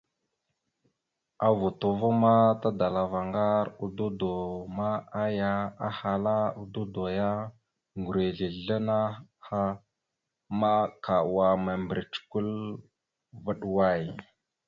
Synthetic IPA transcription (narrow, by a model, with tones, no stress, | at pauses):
a˨vu˨to˨va˦ma˦ta˦da˨la˨va˨ŋɡa˦ɾu˨du˦do˨ma˦a˦ja˦a̰˦ha˨la˦u˨du˦do˨ja˦ | ŋɡu˨ɾe˨ɮi˨a˦na˦ha˦ | ma˦ka˨wa˨ma˨mbɾi˨t͡ʃku˦l | və˦ɗwa˦˨j